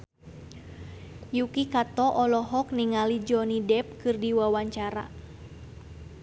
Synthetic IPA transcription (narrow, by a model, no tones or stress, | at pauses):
jukikat̪ɔʔɔlɔɦɔk̚niŋalid͡ʒɔnidɛp̚kɨrdiwawaɲt͡ʃaɾa̰